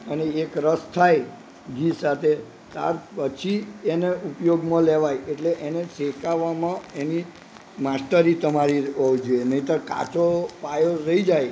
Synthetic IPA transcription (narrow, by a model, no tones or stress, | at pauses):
əneekɾəst̪ʰaj | ɡisat̪ʰe | t̪a̰ɾpət͡ʃʰieneupjoɡmãleʋajeʈleʔenesekaʋamãeni | mast̪əɾit̪əmaɾiəd͡ʒenəĩt̪əɾka̰t͡ʃopajoɾəid͡ʒaj